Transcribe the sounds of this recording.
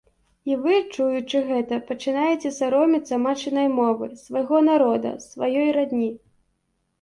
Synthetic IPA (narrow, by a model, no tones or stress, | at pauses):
ivɨt͡ʂujut͡ʂɨɣɛt̪ɐpɐt͡ʂɨnajɛt͡sʲɛsaɾɔmʲit̪sɐmat͡ʂɨnɐjmɔvɨ̰svajɣɔnaɾɔd̪ɐ̰svajɔjɾad̪ʲnʲi